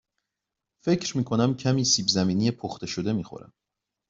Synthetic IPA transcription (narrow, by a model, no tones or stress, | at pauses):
fe̞cʰɾmiːkʰo̞næmcʰæmiːsiːbzæmiːnijepʰoxt̪ʰe̞ʃod̪e̞miːxo̰ɾæ̰m